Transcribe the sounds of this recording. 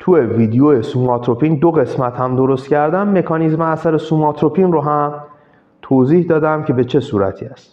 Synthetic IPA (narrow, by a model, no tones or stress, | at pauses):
t̪ʰueviːd̪ejojesumɒt̪ʰɾopʰiːnd̪oɣe̞smæt̪hæmd̪o̞ɾo̞st̪kcæɾd̪ænːe̞kʰɒːnizmeæsæɾe̞sumɒt̪ʰɾopʰinroɦæm | t̪ʰoːziːhd̪ɒːd̪æmcʲʰe̞be̞t͡ʃʰe̞suːɾæ̰t̪ʰiːæst̪